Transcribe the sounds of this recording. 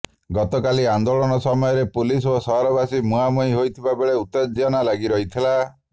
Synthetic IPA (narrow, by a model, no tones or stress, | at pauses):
ɡɔt̪ɔkaliand̪oɭɔnɔsɔmɔjɔɾepulisosɔɦɾɔbasimuɦamuiɦojt̪ʰibabeɭeut̪ed͡ʒjɔnalaɡiɾɔɦit̪ʰila